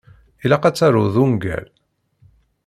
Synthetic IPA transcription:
ilæqæt͡sːaɾʊðuŋɡæ̰l

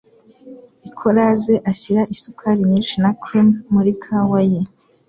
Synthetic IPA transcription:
ikʰoɾazeʔaçiɾaʔisukʰaɾiɲiːnʃinakɾumːuɾikʰawaje

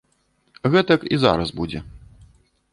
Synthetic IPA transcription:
ɣɛt̪kiza̰ɾɐsbud͡zʲɛ̰

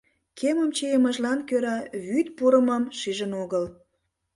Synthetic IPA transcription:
kʰeməmt͡ɕejəməʒlɑnkøɾɑβyt̪puɾəmɑmʃiʒənoɣəl

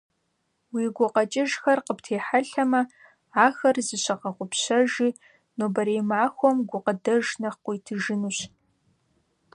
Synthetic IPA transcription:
wiːɡʷʊqɐt͡ʃʼɪʒxɐrqəptʰeːħaɬɐmɐ | aːxɐrzɨɕɐqɐqʷʊpɕɐʒiː | noːbɐɾejmaːxʷɔmɡʷʊqədɐʒnɐχqʷʊjtʰɨʒɪnuːɕ

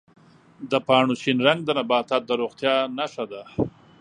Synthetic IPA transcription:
d̪əpɑːɳuʃinɾaŋɡ̚d̪ənabɑːt̪at̪̚d̪əɾoɣt̪jɑnaʂad̪a

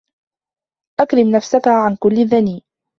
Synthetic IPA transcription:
ʔakɾɪmnafsakaʕankʊlːɪðaniː

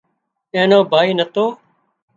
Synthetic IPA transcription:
ẽːnoːbʱaːiːnət̪oː

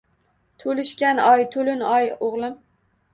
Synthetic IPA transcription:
t̪ʰolɪʃkʲanɒjt̪ʰolɪnɒjoʁlˠɪm

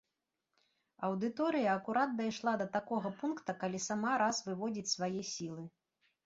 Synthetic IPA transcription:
ɐwd̪ɨt̪ɔɾɨjɐːkuɾat̪̚d̪ajʂlˠad̪ɐt̪akɔɣɐpunkt̪ɐkalʲisamaɾasvɨvɔd͡zʲit͡sʲsvajɛsʲilˠɨ

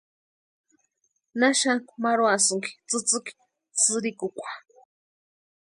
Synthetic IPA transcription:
naʃaŋkmaɾoasɨŋki̥t͡sɨt͡sɨki̥ | t͡sɨɾikukʷḁ

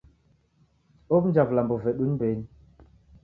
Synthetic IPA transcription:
op̚n̩d͡ʒaplambɔvɛɗunben

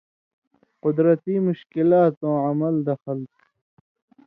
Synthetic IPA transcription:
qʊd̪ɾɐt̪iːmʊɕkilaːt̪õːʕɐmɐld̪ɐxəl

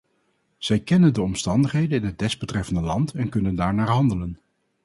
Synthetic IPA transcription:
z̥ɛjkɛnəndəɔmstɑndəχɦejdənɪnɦəd̚dɛzbətrɛfəndəlɑntɛnkɵnəndaːɹnaːɹɦɑndələn

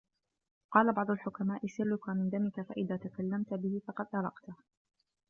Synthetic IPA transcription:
qɑːlabɑʕd̪ˤʊlħʊkamaːʔɪsɪɾːʊkaːmɪnd̪amɪkafaʔɪðaːt̪akalːamt̪bɪhɪfɑqɑd̪ʔɑɾˤɑqt̪

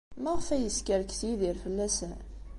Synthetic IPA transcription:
mæʁəfæjəskəɾkθjiðiɾfəlːæsən

